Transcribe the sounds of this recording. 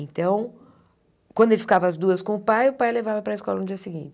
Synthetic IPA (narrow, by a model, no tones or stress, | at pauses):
ẽnt̪ɐ̃w̃ | kwɐ̃nd̪ʊelɪfi̥kavɐazd̪uɐskõʊpajʊpajlevavɐpɾɐɪskɔlɐnʊd͡ʒiɐsɪɡĩt͡ʃɪ